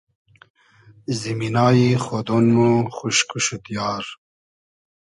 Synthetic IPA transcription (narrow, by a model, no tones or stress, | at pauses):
ziminɑːjixod̪onmuxuʃkuʃut̪jɑːɾ